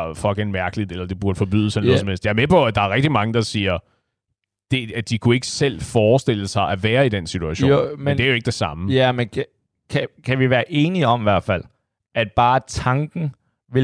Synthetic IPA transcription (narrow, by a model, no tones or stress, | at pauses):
fɒ̽l̰ɡ̥ænmæɐɡ̥əlid̥ˠelɐd̥e̝b̥uɐd̥əfɒ̽b̥y̰ð̰ˠsenɔðˠsɒmel̰sd̥jɑɐmepʰɒ̽æd̥ɑ̈æɐʁɛɡ̥̚d̥imɑ̈ŋəd̥ɑ̈siːɐ | d̥e̝æd̥ikʰue̝ɡ̥əsel̰fɒːsd̥e̝l̰əsɑ̈ɪʔæʋæːɐid̥en̰sit͡sʰuæɕo̰mmnde̝æɐjoe̝ɡ̥əd̥e̝sɑ̈məmenʰ | kʰækʰæʋiʋæːɐʔe̝ːniɒ̽mʋæɐ̰d̥fæl̰ | ʔæd̥̚b̥ɑ̈ːt͡sʰɑ̈ŋɡ̥n̩ | ʋe